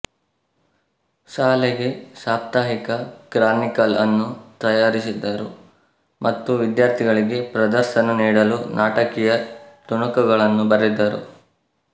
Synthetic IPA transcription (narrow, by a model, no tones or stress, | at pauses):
ʃaːleɡe̞saːp̚t̪aːɦikɐkɾaːnikɐlɐnːut̪ɐjaːɾisid̪ːɐɾṵ | mʔɐt̪ːuʋid̪jaːɾt̪ʰiɡɐɭiɡe̞pɾɐd̪ɐɾʃɐnɐniːɽɐlunʔaːʈɐkijɐt̪uɳɐkɐɡɐɭɐnːubɐɾid̪ːɐɾṵ